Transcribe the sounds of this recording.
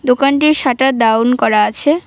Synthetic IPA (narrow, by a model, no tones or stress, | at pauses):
d̪okanʈiʃaʈad̪awnkɔɾaat͡ɕʰe